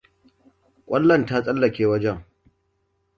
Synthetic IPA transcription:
kʷʼɐ˦lːɐ˦˨nta˦t͡sʼɐ˦lːɐ˨kʲeː˦wɐ˦d͡ʒɛ˦˨ŋ

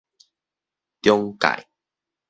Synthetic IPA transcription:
t̪jɔ˦ŋka̰˨j

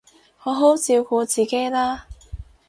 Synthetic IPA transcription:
ŋɔ˨˧ɦo˨˥wt͡siː˧wkuː˨˧t͡siː˨˩ke˥jlaː˥

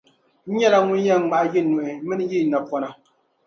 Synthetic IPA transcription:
n̩˦ɲɛ˦la˦ŋu˦jɛ˦ŋ˦ma˨ʔji˦nu˨ʔɨ˨mɨ˦n˦ji˦˨na˨pɔ˦na˨

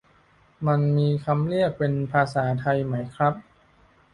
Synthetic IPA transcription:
ma˧nmiː˧kʰa˧mli˥˩ək̚pe˧npʰaː˧saː˩˦t̪ʰa˧jma˦˥jkʰɾa˦˥p̚

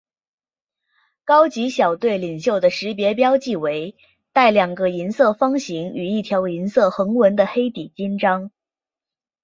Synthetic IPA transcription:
kɑ˥ʊt͡ɕi˧˥ɕjɑ˨˩ʊt̪we˥˩ɪli˨˩ŋɕjo˥˩ʊd̪ə˩ʂɻ̩˧˥pjɛ˧˥p̬jɑ˥ʊt͡ɕi˥˩we˧˥ɪ | t̪a˥˩ɪljɑ˨˩ŋɡə˦i˧˥nsɤ˥˩fɑ˥ŋɕi˧˥ŋy˨˩i˥˩t̪ʰjɑ˧˥ʊi˧˥nsɤ˥˩xɤ˧˥ŋwə˧˥nd̪ə˧xe˥ɪt̪i˨˩t͡ɕi˥nʈ͡ʂɑ˥ŋ

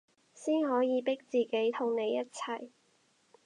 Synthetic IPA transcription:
siː˥nɦɔː˨˥jiː˨˧pɪ˥k̚t͡siː˨ke˨˥jt̪ʰʊ˨˩ŋne˨˧jːɐ˥t̚t͡sʰɐ˨˩j

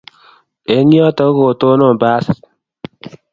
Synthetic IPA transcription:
e˨˦ŋjɔ˦to˨˦ko˨to˦no˦˨ba˦s

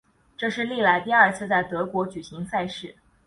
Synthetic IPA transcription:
ʈ͡ʂɤ˥˧ʂɻ̩˥˧li˥˩la˧˥ɪt̪i˥˧ɐ˞˥˩t͡sʰɹ̩˥˧t͡sa˥˩ɪt̪ɤ˧˥kwɔ˧˥t͡ɕy˨˩ɕi˧˥ŋsa˥˧ɪʂɻ̩˥˩

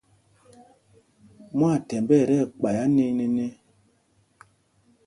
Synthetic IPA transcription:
mwa˦˨tɛ˨mbɛ˦˨ɾɛ˦˨k͡pa˨ja˦ni˦ne˦ne˦

